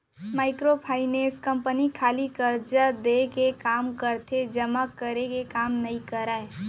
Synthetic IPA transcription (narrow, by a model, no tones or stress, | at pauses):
maɪkɾopʰaɪneskəmpənikʰalikəɾd͡ʒəd̪ekekamkəɾt̪ʰed͡ʒəmakːəɾekekamnəjkəɾae